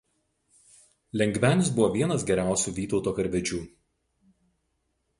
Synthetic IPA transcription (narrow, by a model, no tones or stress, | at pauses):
lʲɛŋʲɡʋʲæːnʲɪsbʊʋoːʋʲiɛnɐsɡʲɛɾʲæˑʊsʲuːʋʲiːt̪ɒʊt̪oːkɐɾʲʋʲɛd͡ʒʲuː